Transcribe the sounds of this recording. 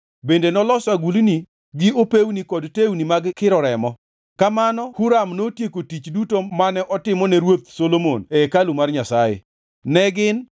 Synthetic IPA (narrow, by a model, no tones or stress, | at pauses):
bendenɔlɔsaɡulni | ɡɪopewnikɔdtewnimaɡkɪɾɔɾɛmɔ | kamanɔhuɾamnotjekotit͡ʃdutomanɛʔɔtɪmɔnɛɾwot̪̚solomonɛkalumarɲasajɪ̰ | nɛɡɪn